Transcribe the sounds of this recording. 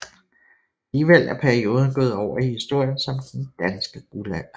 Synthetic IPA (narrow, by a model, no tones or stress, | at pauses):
æliːʋel̰æɐpʰæɐio̝ːð̞ˠn̩ɡ̥ɔ̽ːð̩ˠɒʊ̰ɐihisd̥o̝ɐ̰jənsɒ̽md̥end̥ænsɡ̥əɡ̥ulæ